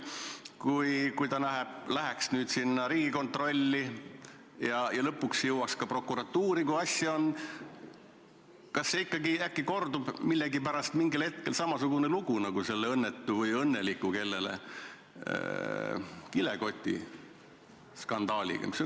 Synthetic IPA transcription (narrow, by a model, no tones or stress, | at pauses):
kujkujt̪ɑnæɦeb̥læɦeksnyːd̪sinːɑɾiːɡ̥iko̞nt̪ˑro̞lʲːi | jɑjɑlɤpːuksjɤwwɑkskɑpro̞kːˑuɾɑt̪ːuːɾikujɑsʲjɑo̞n | kɑsːeikːɑɡiækːiko̞rd̪ub̥milːeɡipæɾɑst̪miŋɡilhe̞t̪̚kelsɑmɑsuɡ̥une̞luɡ̥unɑɡ̥use̞lːeɤnːet̪ːuvɤjɤnːe̞likːˑuke̞lːe̞lḛ | kileko̞t̪ʲːˑḭ | skɑnd̪̥ɑːlḭɡ̥ɑ̰miso